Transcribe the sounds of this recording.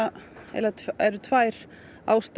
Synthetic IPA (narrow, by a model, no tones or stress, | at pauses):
ɛ̰ɾaɛɾʏt̪ʰvajɾ̥ | a̰wst̪